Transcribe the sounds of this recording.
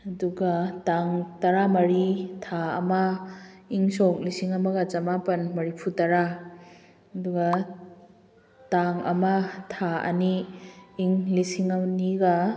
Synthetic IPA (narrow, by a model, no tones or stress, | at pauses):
ɐduɡataŋtɐɾamɐɾitʰaɐ̰ma | iŋsɔk̚lisiŋɐmɐɡɐt͡ʃɐmapɐnmɐɾipʰutɐɾa | ɐduɡa | taŋɐ̰matʰaɐ̰niː | ŋlisiŋaniɡa